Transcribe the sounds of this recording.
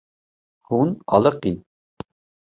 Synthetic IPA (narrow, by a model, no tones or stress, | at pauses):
hunɑ̰lˠəqin